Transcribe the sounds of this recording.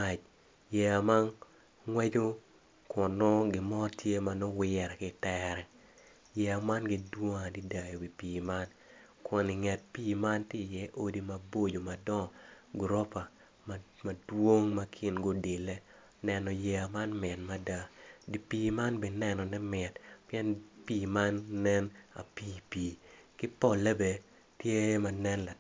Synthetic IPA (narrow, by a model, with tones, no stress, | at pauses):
a˨t͡ʃ | jɛ˨a˨ma˦n | ŋwɛ˦d͡ʒo˦ | kʊ˨nɔ˦ɡɪ˨mɔ˦tʰje˦ma˨nɔ˦wɪ˦ɛ˨ɾɛ˨kɪ˨tɛɾɛ˨ | jɛ˨a˨ma˦nɡi˦dwo˦ŋa˨di˦da˨jo˨wi˨piː˨ma˦n | kʊ˨ni˨ŋɛ˨t̚piː˦ma˦ntje˦˨jɛ˦ʔo˦di˦ma˨bo˦d͡ʒo˨ma˨dɔ˦˨ɡɾɔ˦pa˨ | ma˨ma˨dwo˦ŋma˦kʰɪ˦nɡo˦dɪ˨le˦ | nɛ˨nɔ˨jɛ˨a˨ma˦nmɪ˨nma˦da˦di˨piː˦ma˦nbɛ˨nɛ˨nɔ˨nɛ˦mɪ˨tpijɛ˦npiː˦ma˦nːɛ˦na̰˨piː˦piː˨kɪ˦pɔ˦˨lɛ˦be˨ | tje˦ma˨nɛ˦nla˨